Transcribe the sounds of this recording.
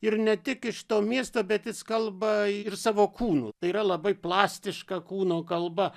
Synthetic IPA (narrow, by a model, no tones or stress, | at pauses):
ɪrnʲɛt̪ʲɪkɪʃt̪oːmʲiɛst̪oːbʲɛt̪jɪskɐlˠbɐɪrsɑːʋoːkʰuːnṵːt̪ɐɪiɾɐlˠɐbɐɪplˠɑːsʲt̪ʲɪʃkɐkuːnoːkɐlˠbɐ